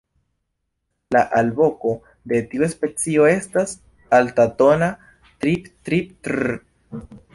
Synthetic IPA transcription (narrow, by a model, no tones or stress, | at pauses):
laʔalbo̞ko̞ | de̞tiuespe̞t͡sio̞e̞stas | altato̞na | tɾiptɾip̚t